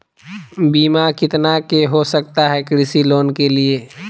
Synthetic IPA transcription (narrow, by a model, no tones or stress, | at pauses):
biːmakɪt̪nakeɦosək̚t̪aɦɛkɾɪsiloːnkelie